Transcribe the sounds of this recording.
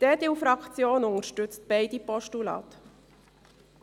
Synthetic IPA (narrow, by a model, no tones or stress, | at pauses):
d̥ɛːdɪwfɾɑkt͡sjoːnʊŋəɾʃtʏt͡st̚b̥ɛɪdipɔʃtulɑ̰ːt̪